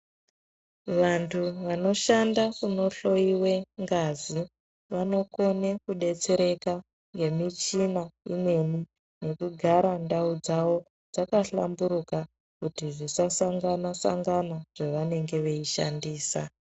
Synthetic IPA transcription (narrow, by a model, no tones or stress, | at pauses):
ʋantʰuʋano̞ʃandakuno̞ɬo̞iwe̞ŋɡazi | ʋano̞ko̞ne̞kuɗe̞t͡se̞ɾe̞ka | ŋɡe̞mit͡ʃinaḭne̞ni | ne̞kuɡʱaɾandaud͡zawo̞ | d͡zakaɬa̰mbuɾuka | kutiʐisasaŋɡanasa̰ŋɡanaʐ̥eʋane̞ŋɡe̞ʋe̞iʃa̰ndiːsa